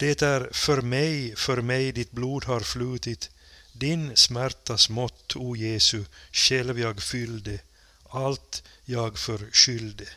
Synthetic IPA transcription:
d̪̥ɛt̪æːɾfɔɾmɛɪfɔɾmæɪd̪ɪt̪̚bluːd̪ɦɑːɾflʉːt̪ɪt̪ | d̪ɪnsmæɾt̪ɑsmɔt̪ʰːuːjeːsʉʃɛlʋjɑːɡfʏld̪ə | ɑlt̪ | jɑːɡfɔɾʃʏld̪ə

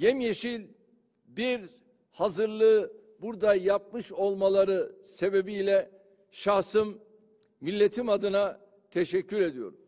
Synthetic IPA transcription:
jɛmjeʃilʲ | biɾ | hazɯɾlˠɯː | buɾd̪ajap̚mɯʃo̞lˠmalˠaɾɯse̞be̞biːlʲɛ | ʃahsɯmː | ilʲːet̪ʰimad̪ɯna | t̪ʰeʃɛcːyɾe̞d̪ijo̞̰ɾum

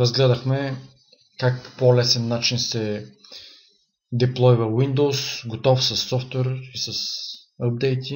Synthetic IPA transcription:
ɾɐzɡlɛd̪ɐxmɛ | kak̚ppolɛsɛnːat͡ʃinsɛ | d̪ɛplˠɔjvɐwind̪owsɡot̪ɔfsɐsːɔft̪wɛɾisɐs | əb̚d̪ɛjt̪i

